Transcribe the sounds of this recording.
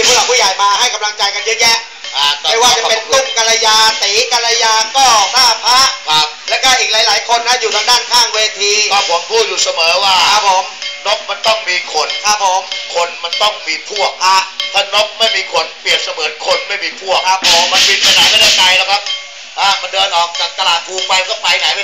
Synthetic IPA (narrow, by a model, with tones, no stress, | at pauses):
p̪ʰu˥˩a˨˩wpʰuː˥˩jaː˨˩˦jmaː˧ha˥˩jka˧mla˧ŋt͡ɕa˧jka˧nje˦˥jɛ˦˥ | ʔa˧˩˧a˥˩jwaː˥˩t͡ɕa˨˧pe˧nu˥˩ŋka˧ɾa˧jaː˧t̪iː˨˦ka˧ɾa˧jaː˧k̪ɔː˥˩kʰaː˥˩pʰa˦˥ʔkʰa˦˥p̚lɛː˦˥kɔː˥˩ʔiː˨˩k̚laː˨˦jlaː˨˩˦jkʰo˧nːa˦˥juː˨t̪ʰaː˧ŋdaː˥˩nkʰaː˧˩ŋweː˧t̪ʰiː˧kʰa˦˧˩pʰo˨˦mpʰuː˥˩t̪̚juː˨˩sa˧mɤː˩˦waː˥˩a˦˥pʰːoː˩˦mno˦˥k̚ma˧nt̪ɔ˥˩ŋmiː˧kʰo˨˦nkʰaː˥˩pɔː˨˧˦mkʰo˧nma˧nt̪ɔ˥˩ŋmiː˧pʰu˥˩ək̚ʰa˦˥t̪ʰaː˥˩no˦˥k̚ma˥˩jmiː˧kʰo˧npi˨˩ət̪̚sa˧mɤː˩˦nkʰo˧nma˥˩jmiː˧pʰu˥˩əka˦˥˩pʰo˨˦ma˧npi˧pʰa˧jnaː˦jma˥˩daː˥˩ka˧jlɛː˦˩kʰa˦˥p̚ | ʔaː˧˩ma˧ndɤː˧nʔɔː˨˩k̚t̪a˨˧˩t̪a˧laː˧t̪ʰuː˧pa˧jk̪ɔ˥˩pa˧jna˨˦jl